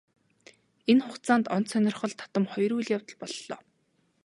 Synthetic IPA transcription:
enχʊtt͡saːnt̪ɔnt̪sœnʲɪ̆rχɞ̆ɮt̪ʰḁt̪ə̆mχɔjɾuːɮjawt̪ə̆ɮpɔɮːɔ̰ː

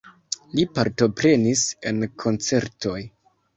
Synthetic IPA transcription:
lipaɾto̞pɾe̞nise̞nkʰo̞nt͡se̞ɾto̞j

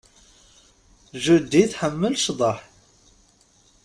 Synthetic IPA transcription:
ʒud̪ːiθħəmːəlʃðˤɑħ

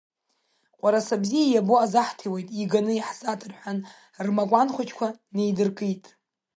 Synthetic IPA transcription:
qʷʼaɾasabzijajaboazaħtʰiwejtʼiɡanɨiħzatʰɨrħʷᶣan | rmakʷʼanχʷat͡ʃʼkʷʰane̞jdɨrkʼitʼ

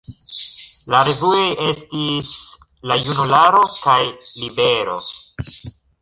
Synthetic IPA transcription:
laɾe̞vuoje̞stis | lajunulaɾo̞kajlibe̞ɾo̞̰

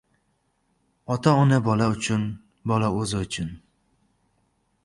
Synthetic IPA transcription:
ɒt̪ʰaɒnabɒlaʊt͡ʃʰʊn | bɒlaɵzɪʊt͡ʃʰʊn

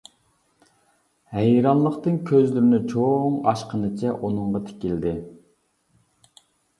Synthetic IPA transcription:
hæjɾɑnˠlˠəqt̪ɨnkʲʰøzlyɾnɪt͡ʃʰoŋɑʃqənɨt͡ʃʰɛʔunɨɴʁɑt̪ʰe̥kʲild̪ɪ

